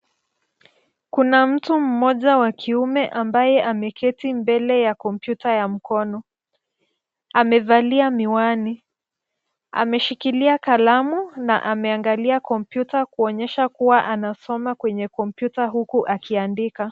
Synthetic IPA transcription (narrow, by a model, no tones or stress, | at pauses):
kunam̩tum̩mɔʄawakʰiumɛʔambajɛʔamɛkʰɛtimbɛlɛjakɔmpjutajam̩kɔnɔ | amɛvaliamiwani | a̰mɛʃikiliakalamuna̰ʔamɛaŋɡaliakɔmpjutakuɔɲɛʃakuwaʔanasɔmakwɛɲɛkɔmpjutaɦukuʔakiandika